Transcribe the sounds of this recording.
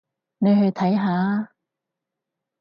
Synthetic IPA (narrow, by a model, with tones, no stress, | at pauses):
ne˨˧jɦɵ˧ɥt̪ʰɐ˨˥jɦaː˨˧˥